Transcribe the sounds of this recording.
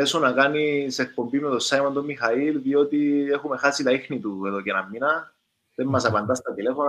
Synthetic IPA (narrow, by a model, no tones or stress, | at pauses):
esonɐkɐniseek̚po̞mbimet̪o̞sajmɐnt̪omːixɐilðio̞t̪iexume̞xasit̪ɐixnit̪ueðo̞cenɐmːinɐ | ðemːɐsɐpɐnd̪ɐst̪ɐt̪ile̞fon